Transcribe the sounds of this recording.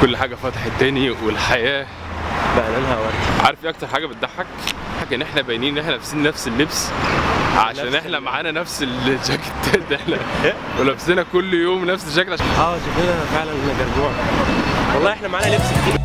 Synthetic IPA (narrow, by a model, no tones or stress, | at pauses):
kolːħaːɡæfæːt̪ˤeħet̪ːæːniwelħajæː | baʔlʔænhæwɑɾˤd̪iʕɑ̰ɾˤfiʔɑk̚t̪ɑɾˤħaːɡæbet̪̚d̪aħːækħakʔenːʔeħnæbæjniːnʔeħnænæfsiːnnæfselːebs | ʕa̰ʃæːnʔeħnæmaʕaːnænæfselʃæɡet̪ːæːt̪ʔeħnæwelæbsenækolːjoːmnæfseʃ̬ːæklʕaʃæʔæːʃofenæfeʕlænʔeæɡɑɾˤɡoːʕa | wɑlˤːɑːʔeħnæmaʕaːnælebsd̪iː